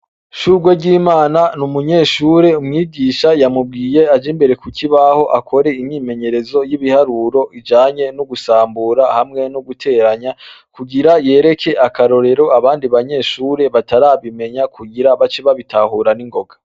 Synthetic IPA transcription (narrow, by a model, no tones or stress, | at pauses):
ʃuɡweɟiːmaːnanumuɲe̞ːʃuɾe̞umŋiːɟiːʃajamub̚ɡiːje̞ad͡ʒimbe̞ɾe̞kuciβaho̞ʔakʰo̞ɾe̞iɲɲiːme̞ɲe̞ɾe̞zo̞jiβihaɾuɾo̞ʔid͡ʒaːɲe̞nuɡusaːmbuːɾahamŋe̞nuɡutʰe̞ːɾaɲakuɡiɾaje̞ːɾe̞kʰe̞ʔakaɾo̞ɾe̞ɾo̞aβaːndiβaɲe̞ːʃuːɾe̞βataɾaːβime̞ɲakʰuɡiɾaβat͡ʃiβaβitahuɾaniŋɡo̞ɡa